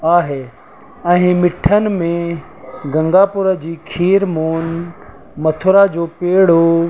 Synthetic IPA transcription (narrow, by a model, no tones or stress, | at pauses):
aːɦe | ɛ̃ːmɪʈʰənɪ̆mẽ | ɡɐ̃ŋɡaːpʊɾəd͡ʑiːkʰiːɾmoːn | mɐt̪ʰʊɾad͡ʑoːpeːɽ̤o